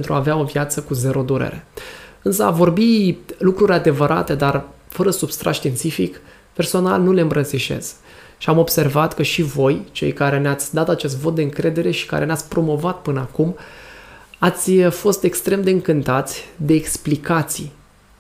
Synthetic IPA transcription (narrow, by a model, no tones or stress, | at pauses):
ent̪ɾuaːveao̞vjat̪səkuze̞ɾo̞d̪uɾḛɾe̞̰ɨnsəa̰vo̞rbilukɾuɾʲad̪e̞vəɾʔa̰t̪e̞d̪ar | fəɾəsubst̪ɾa̰ʃt̪int̪sifik | pe̞rso̞na̰lnule̞ɨmbɾənsiʃe̞̰s | ʃiamo̞bse̞rvat̪kəʃivo̞jt͡ʃe̞̰jkaɾe̞neat̪sʲd̪at̪at͡ʃe̞s̬t̪vo̞t̪̚d̪eɨŋkɾe̞d̪e̞ɾe̞ʃi̥ka̰ɾʔe̞neat̪sʲpɾo̞mo̞vat̪pɨnəakum | at̪sʲfo̞st̪e̞kst̪ɾe̞md̪e̞ɨŋkɨnt̪at̪sʲd̪e̞ːksplikat̪sij